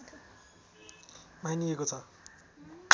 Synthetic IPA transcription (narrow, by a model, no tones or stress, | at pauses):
majniekot͡sʰʌ | k